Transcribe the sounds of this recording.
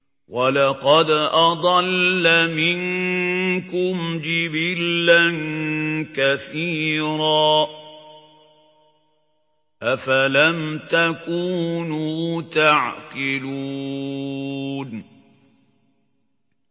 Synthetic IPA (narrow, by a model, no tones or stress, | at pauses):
walɑqɑd̪ʔɑd̪ˤɑlːamɪn | kʊmd͡ʒɪbɪlːankaθiːɾaː | ʔafalamt̪akuːnuːt̪aʕkɪlu | n